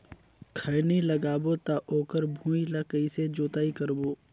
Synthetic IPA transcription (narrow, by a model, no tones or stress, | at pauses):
kʰəniləɡaːbot̪aʔoːkəɾbʱũːilakəised͡ʒoːt̪aːikəɾboː